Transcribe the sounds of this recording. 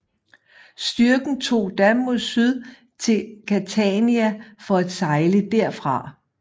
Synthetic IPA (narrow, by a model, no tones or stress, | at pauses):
sd̥yɐɡ̥n̩t͡sʰo̝̰ːd̥ænmuðˠsyð̞ˠ | t͡sʰe̝lkʰæt͡sʰɛniæfɒ̽æd̥sɑ̈ɪləd̥æɐ̰fʁɑ̈